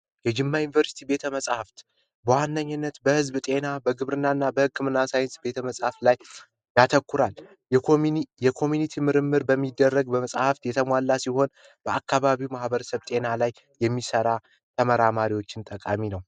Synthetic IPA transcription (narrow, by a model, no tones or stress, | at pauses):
jɛd͡ʒɪmːajunivəɾsi̥t̪ʰibe̞t̪ʰəməsʼhaft̪ | bəwanːəɲːɨnːət̪bəhɨzbt̪ʼe̞nabəɡɨβɾɨnːanːabəhɨkːɨmɨnːasajɪnsbe̞t̪ʰəməsʼhaft̪laj | jat̪ʰəkːuɾal | jɛkʰo̞mjunit̪ʰimɨɾɨmːɨɾbəmːid̪ːərːəɡbəməsʼhaft̪jɛt̪ʰəmwalːasiho̞n | b̥əʔakːaβaβiwmahbəɾəsəβt̪ʼe̞nalajːɛmːisəɾa | t̪ʰəməɾamaɾiwo̞t͡ʃːɪnt̪ʼəkʼaminəw